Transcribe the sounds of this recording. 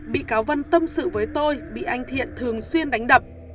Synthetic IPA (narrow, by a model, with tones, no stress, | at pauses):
ɓḭ˧˨kaː˨˦wvə˧nt̪ə˧msɨ̰˧˨vəː˨˦jt̪o˧jɓḭ˧˨ʔa˧jŋ̟t̪ʰḭ˧˨ənt̪ʰɨ˨˩əŋswi˧ənɗa˨˦ŋ̟ɗə˨˩p̚